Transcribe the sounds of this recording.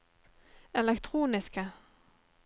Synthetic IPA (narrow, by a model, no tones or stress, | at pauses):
ɛlɛkt̪ʰʁuːnɪskə